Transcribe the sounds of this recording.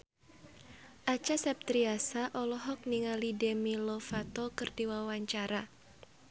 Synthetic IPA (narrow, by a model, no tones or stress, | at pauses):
ʔat͡ʃasɛp̚t̪ɾiasaʔɔlɔɦɔk̚niŋalidɛmilɔfat̪ɔkərdiwawaɲt͡ʃaɾa